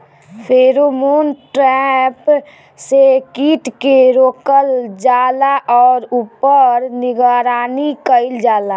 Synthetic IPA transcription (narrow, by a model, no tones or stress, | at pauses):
pʰeːɾomoːnʈɾɛp | sekiːʈkeɾoːkəld͡ʒaːlaʔɔːɾuːpəɾnɪɡaɾaːnikəɪld͡ʒaːla